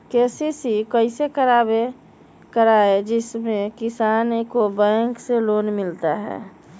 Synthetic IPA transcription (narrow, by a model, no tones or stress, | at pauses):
kesisikəɪsekəɾabe | kəɾaːed͡ʒɪsmẽkɪsaːnkobɛ̃ŋkseloːnmɪlt̪aɦɛ̰ː